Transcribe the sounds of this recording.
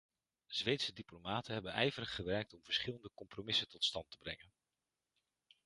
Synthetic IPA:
z̥ʋejtsədiplomaːtənɦɛbənɛjvəɾəχːəʋɛɹk̚tɔmv̥əɹsχɪləndəkɔmpromɪsətɔtstɑntəbrɛŋən

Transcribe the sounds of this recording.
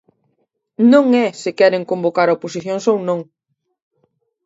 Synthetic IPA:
nõŋɛsɪkɛɾeŋkombokaɾaoposiθjõŋsownõŋ

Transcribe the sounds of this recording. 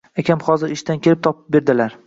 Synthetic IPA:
akʲʰamχɒzɪɾɪʃt̪ankʲe̞lɪp̚t̪ʰɒpɪp̚be̞ɾd̪ɪlaɾ

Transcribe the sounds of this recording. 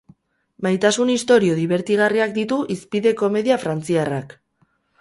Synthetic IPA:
majt̪asunist̪o̞ɾio̞ðiβe̞ɾt̪iɣ̞ariakd̪it̪uʔispiðe̞ko̞me̞ðiafɾant͡siara̰k

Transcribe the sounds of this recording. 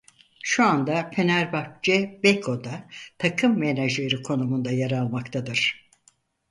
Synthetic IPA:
ʃuand̪apʰe̞næɾbak̚t͡ʃɛbekʰo̞d̪at̪ʰakʰɯmːenaʒleɾɯkʰo̞numund̪ajaɾalˠmakt̪ʰad̪ɯɾ̥

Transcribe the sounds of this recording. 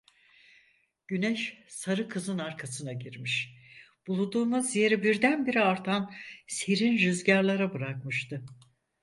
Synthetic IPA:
ɟ̥ynɛʃsaɾɯkʰɯzɯnaɾkʰasɯnaɟiɾmiʃ | b̥ulˠud̪uːmuzje̞ɾibiɾd̪ænbiɾiaɾt̪ʰanseɾinʒyzɟaɾlˠaɾabɯɾakmɯʃt̪ʰɯ

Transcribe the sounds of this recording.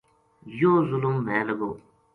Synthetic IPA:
jozuluŋmɛːləɡo

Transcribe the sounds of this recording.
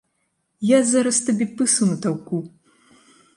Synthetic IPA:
jazaɾɐst̪abʲipɨsɐmɨt̪awku

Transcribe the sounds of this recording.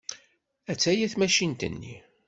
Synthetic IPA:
æt͡sːæjæθmæʃint̪ə̰nːḭ

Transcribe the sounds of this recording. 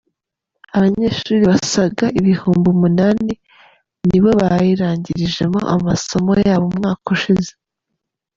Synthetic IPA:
aβaɲe̞ːʃuːɾiβasaɡaʔiβihuːmbumunaːni | niβo̞βajiɾaːɲɟiɾiʒe̞mo̞̰ʔa̰maso̞mo̞jaːβomŋaːkuʃize

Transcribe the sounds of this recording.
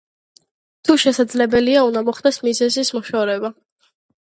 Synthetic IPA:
t̪ʰuʃɛsad̪zlɛbɛliaund̪amɔχd̪ɛsmizɛzismɔʃɔɾɛba

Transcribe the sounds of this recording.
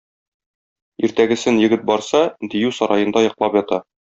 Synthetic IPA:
iɾt̪æɡɘ̆sɘnjɘ̆ɡɘt̪̚bɒɾsɑd̪ijʉsɒɾɑjɤ̆nd̪ɑjɒqlˠɑpjɒt̪ɑ

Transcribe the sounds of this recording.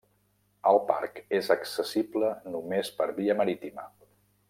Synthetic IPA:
əlˠpa̰ɾkezəksəsiblənumespəɾβiəməɾit̪imə

